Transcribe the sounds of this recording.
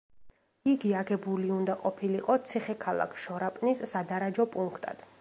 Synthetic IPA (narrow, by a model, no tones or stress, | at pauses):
iɡiaɡɛbuliund̪aqʼɔpʰiliqʼɔt̪sʰiχɛkʰalˠa̰kʰʃɔɾapʼnisːad̪aɾad͡ʒɔpʼuŋkʰt̪ʼa̰d̪̥